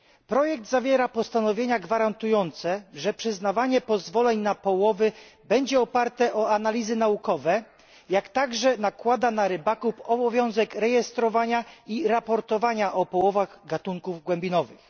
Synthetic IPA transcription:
pɾɔjɛk̚d̪zavʲjɛɾapɔst̪anɔvʲjeɲaɡvaɾant̪ujɔnt̪sɛʐɛpʂɘznavaɲɛpɔzvɔlɛɲnapɔwɔvɘbɛɲd͡ʑɛɔpaɾt̪ɛʔɔanalʲizɘnaukɔvɛ | jakt̪aɡʐɛnakwad̪anaɾɘbakupɔbɔvʲjɔ̃w̃zɛkɾɛjɛst̪ɾɔvaɲaiɾapɔɾt̪ɔvaɲaʔɔpɔwɔvaɣɡat̪uŋkuvɡwɛmbʲinɔvɘx

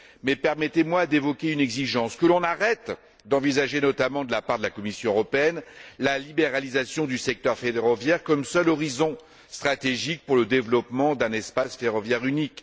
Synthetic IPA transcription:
mɛpɛʁmɛt̪emwad̪evɔkʲeynɛɡziʒɑ̃skəlɔ̃naʁɛt̪ | d̪ɑ̃vizaʒenɔt̪amɑ̃d̪əlapaʁd̪əlakɔmisjɔ̃øʁɔpeɛnlalibeʁalizasjɔ̃d̪ysɛk̚t̪œʁfeʁɔvjɛʁkɔmsœlɔʁizɔ̃ | st̪χat̪eʒik̚puʁləd̪evlɔpmɑ̃d̪ɛ̃nɛspasfeʁɔvjɛʁynik

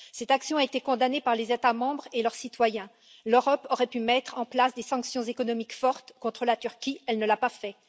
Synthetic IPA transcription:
sɛt̪aksjɔ̃aet̪ekɔ̃d̪anepaʁlezet̪amɑ̃bʁelœʁsit̪wajɛ̃ | løʁɔpɔʁɛpymɛt̪χɑ̃plasd̪esɑ̃ksjɔ̃zekɔnɔmikfɔʁt̪kɔ̃t̪χəlat̪yʁkʲiɛlnəlapafɛ

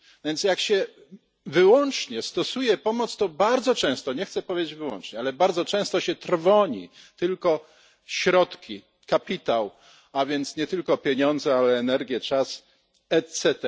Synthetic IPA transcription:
vʲjɛnt̪sjakɕɛ | vɘwɔnt͡ʂɲɛst̪ɔsujɛpɔmɔt̪st̪ɔbaɾd̪zɔt͡ʂɛ̃w̃st̪ɔɲɛxt̪sɛpɔvʲed͡ʑed͡ʑvɘwɔ̰nt͡ʂɲɛalɛbaɾd̪zɔt͡ʂɛ̃w̃st̪ɔɕɛt̪ɾvɔɲḭt̪ɘlkɔ | ɕɾɔt̪kʲi | kapʲit̪aw | avʲjɛnt̪sɲɛt̪ɘlkɔpʲjeɲɔnd̪zɛalɛːnɛɾɡʲjɛt͡ʂas | ɛt̪sɛt̪ɛ

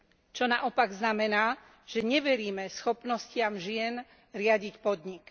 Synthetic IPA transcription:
t͡ʃɔnaʔɔpaɡznamɛnaː | ʒ̥ɛɲɛʋɛɾiːmɛsxɔpnɔscɪamʒɪɛn | ɾɪaɟicpɔd̪ɲik

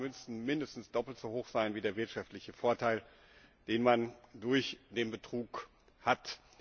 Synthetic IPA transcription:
mʏnsn̩mɪndəstn̩sd̥ɔpl̩tz̥ohoːxz̥aɪnviːdeːɐvɪɐtʃaftlɪçəfoːɐtʰaɪl | d̥eːnmandʊɐçd̥eːnbətʁ̥uːk | hat

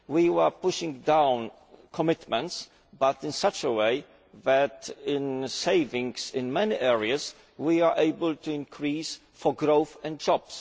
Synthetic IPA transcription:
wiwə˞pʊʃɪ̃ŋdãw̃n | kʰɔmɪt̪mɛ̃nts | bat̪ɪ̃nsat͡ʃəweɪ | ðæt̪ɪ̃nseɪvɪ̃ŋsɪ̃nmɛniʔɛɹiaz | wiaʔeɪbəlt̪uɪ̃nkʰɹis | fɔɡɾoʊθɛ̃nd̚d͡ʒɔb̥s

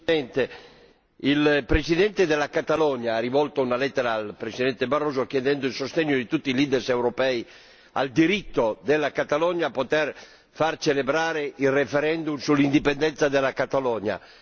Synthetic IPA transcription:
ɛnt̪e | ilpɾesid̪ɛnt̪ed̪elakat̪alɔɲaːrivɔlt̪ounalɛt̪ːeɾaːlpɾesid̪ɛnt̪ebarːoːzokjɛd̪ɛnd̪oilsost̪eɲːod̪it̪ut̪ːiliːd̪ɛrsɛwɾopɛj | a̰ld̪iɾit̪ːod̪elːakat̪alɔɲapot̪ɛɾ | fart͡ʃelebɾaːɾeilrefɛɾɛnd̪umsulːind̪ipend̪ɛnt̪sad̪elakat̪alɔɲa̰

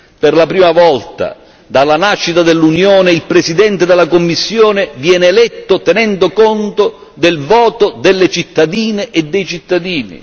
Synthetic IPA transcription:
perlapɾiːmavɔlt̪a̰ | d̪alːanaʃːit̪ad̪elːunjoːneilpɾesid̪ɛnt̪ed̪elːakomːisːjoːnevjɛːneːlɛt̪ːot̪ɛnɛnd̪okɔnt̪o | d̪ɪlvɔːt̪od̪ɪlːet͡ʃit̪ːad̪iːneʔed̪ːɛjt͡ʃit̪ːad̪iːnḭ

